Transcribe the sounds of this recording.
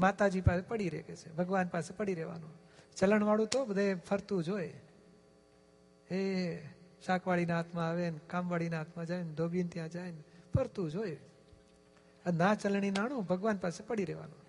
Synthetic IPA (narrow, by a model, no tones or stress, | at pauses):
mat̪ad͡ʒipasepəɽiɾḛket͡ʃʰebʱəɡʋanpasepəɽiɾeʋa̰nũ | t͡ʃələɳʋaɭũt̪obəd̪ʱepʰəɾt̪ũd͡ʒoj | e | ʃakʋaɭinaɦat̪ʰmãaʋenkamʋaɭinaɦat̪ʰmãd͡ʒaend̪ʱobint̪jãd͡ʒajnfʰəɾt̪ũd͡ʒoj | ənat͡ʃəlɳ̃inaɽ̃ũbʱəɡʋanpasepəɽiɾeʋa̰nõ